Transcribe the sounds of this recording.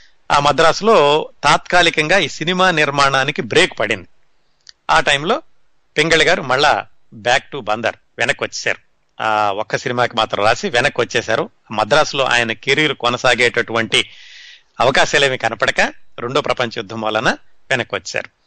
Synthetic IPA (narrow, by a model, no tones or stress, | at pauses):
a̰ːmɐd̪ɾaːsulo̞ːt̪aːt̪kaːlikɐŋɡaːiːsinimaːniɾmaːɳaːnikibɾe̞ːkpɐɽind̪i | aːʈɐjmlo̞ː | piŋɡɐɭɐɡaːɾumɐɭːaː | baːk̚ʈubɐnd̪ɐ̰ɾ | ʋɛnɐkːʋɐt͡ʃːɛːsa̰ːɾu | aːɔkːɐsinimaːkimaːt̪ɾɐmɾaːsiʋɛnɐkːʋɐt͡ʃːɛːʃaːɾuaːmɐd̪ɾaːsulo̞ːʔa̰ːjɐnɐkeɾijulukɔnɐsaːɡeːʈɐʈuʋɐɳʈi | ɐʋɐkaːʃaːleːmikɐnɐpɐɽɐkaɾeɳɖoːpɾɐpɐɲt͡ʃɐjud̪ʱːɐmʋɐːlːɐnɐʋɛnɐkːʋɐt͡ʃːsa̰ːɾu